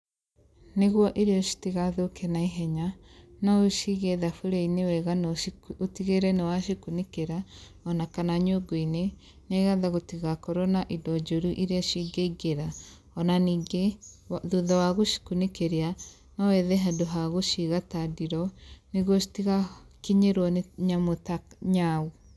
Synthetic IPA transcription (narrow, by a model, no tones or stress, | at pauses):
neɣwɔʔeɾeɔʃi̥tiɣaðokɛnaiɦɛɲanaoʃiɣɛðafoɾɛinewɛɣanotiɣeɾɛnewaʃikunekeɾa | ɔnakanaɲoɡoine | neɣaðaɣotiɣakɔɾɔnaʔidɔd͡ʒoɾuʔiɾeaʃiɡeiɡeɾa | ɔnaniːɡe | ðuðawaɣoʃi̥kunekeɾea | nawɛðɛɦadoɦaɣoʃiɣatadiɾɔneɣotiɣa | kiɲeɾwɔnɲamotaɲau